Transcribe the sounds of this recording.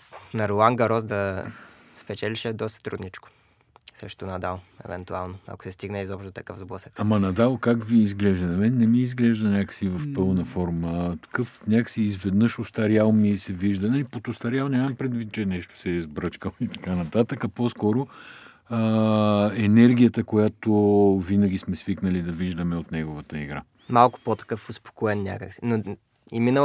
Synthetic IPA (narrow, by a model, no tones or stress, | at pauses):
nɐɾolˠaŋɡɐɾɔzd̪ɐ | spɛt͡ʃɛliʃɛd̪ɔst̪ə̥t̪ɾud̪nit͡ʃkʊ̥ | sə̰ʃt̪onɐd̪alˠɛ̰vɛ̰nt̪ualˠnoɐ̰ko̥sɛst̪iɡnəizɔpʃt̪ot̪ɐkəfvzblˠɔsɛ̥kamɐnɐd̪alˠokakviːzɡlɛʒd̪ɐnɐmɛnːɛmiːzɡlɛʒd̪ənʲakə̥sivɐfpɤlˠnɐfɔɾmət̪ɐ̥kɤfnʲakə̥siːzvɛd̪nəʃost̪ɐɾjalˠmisɛviʒd̪ənalipot̪ost̪ɐɾjalˠnʲamɐmpɾɛd̪vit̪̚t͡ʃɛnɛʃt̪o̥sɛizbɾɤt͡ʃkəlˠoit̪ɐ̥kanɐt̪at̪əkɐposkɔɾo | ə | ɛnɛɾɡʲijət̪əkojat̪ovinəɡʲismɛsviknəlid̪ɐviʒd̪ɐmɛot̪nɛɡovət̪əḭɡɾa̰ | malˠkʊ̥pot̪ɐ̥kɤfʊspo̥koɛnːnʲa̰kəksi̥no | ḭminə